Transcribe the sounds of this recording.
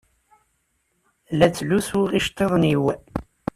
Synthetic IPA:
læt͡sːluswuʁiʃt̪ˤːeðˤniw

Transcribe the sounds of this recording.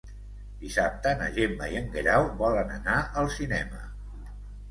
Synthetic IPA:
d̪̥isap̚t̪ənə̰ʒemba̰jəŋɡeɾawβɔlənə̰naʔəlˠsinɛmə̰

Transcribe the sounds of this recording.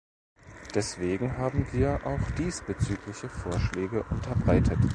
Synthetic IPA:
d̥ɛsv̥eːɡŋ̩ɦaːbm̩viːɐʔaʊxd̥iːsb̥ət͡syːklɪçəfoːɐʃlɛːɡəʔʊntʰɐbʁaɪtʰət

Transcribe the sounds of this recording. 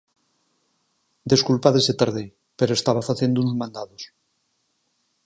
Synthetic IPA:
d̪eskulpaðeset̪aɾðe | peɾoest̪aβ̞afaθend̪unozmãnd̪aðos

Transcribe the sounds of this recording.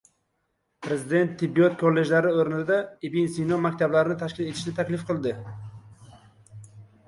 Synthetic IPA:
pʰɾezɪd̪e̞nt̪ʰːɪbːiot̪̚kʰolːe̞ʒlaɾɪoɾnɪd̪aibinsinomakʲt̪ʰablaɾɪnɪt̪ʰaʃkʲɪle̞t̪ʰɪ̥ʃnɪt̪ʰakʲlɪfqʰɨlˠd̪ɪ

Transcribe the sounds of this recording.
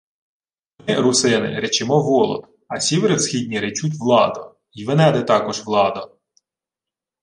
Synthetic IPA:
mɪɾʊsɪnɪ̰ɾet͡ʃɪmɔʋɔlˠɔ̰t̪ | ɐsʲiʋɾɪwsxʲidʲnʲiɾet͡ʃut̬ʲʋlˠɑd̪ʊ | iʋɪnɛd̪ɛt̪ɑkɔʒʋlˠɑd̪ɐ

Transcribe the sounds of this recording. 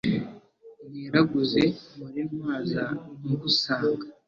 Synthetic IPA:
niɾaɡuzemuɾemaːzamuɡusaːŋɡḁ

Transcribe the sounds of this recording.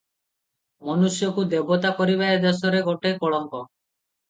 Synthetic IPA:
mɔnusjɔkud̪ebɔt̪akɔɾibaed̪ɔsɔɾeɡoʈekɔɭɔŋkɔ

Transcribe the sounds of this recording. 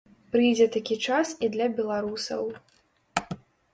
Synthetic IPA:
pɾɨjd͡zʲɛt̪akʲit͡ʂasid̪lʲɐbʲɛlˠaɾusɐ̰w

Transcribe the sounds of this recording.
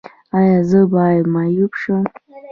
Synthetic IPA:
ajazɨbajmajupʰʂɨ

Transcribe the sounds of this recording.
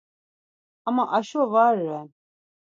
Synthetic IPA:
amaʔaʃɔvaɾɛ

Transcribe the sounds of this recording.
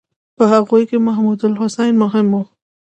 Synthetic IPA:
pəhaɣujkemaɦmud̪alhʊsajnmʊɦɪmu

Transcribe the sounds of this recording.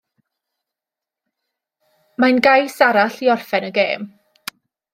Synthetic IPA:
manɡajsaɾaɬiɔrfɛnəɡeːm

